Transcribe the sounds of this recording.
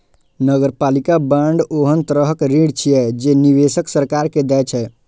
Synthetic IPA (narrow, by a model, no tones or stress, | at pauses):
nəɡəɾpalikabaɳɖoɦənt̪ɾəɦəkɾiɽt͡ʃʰijɛd͡ʒeniβesəksəɾkaɾked̪ɛt͡ʃʰɛ